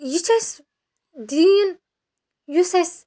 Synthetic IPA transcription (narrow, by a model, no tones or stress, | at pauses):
jit͡ʃas | d̪in | jusas